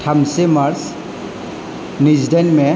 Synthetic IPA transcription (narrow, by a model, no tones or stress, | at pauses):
tʰamsemaɾs | nizdenmɛ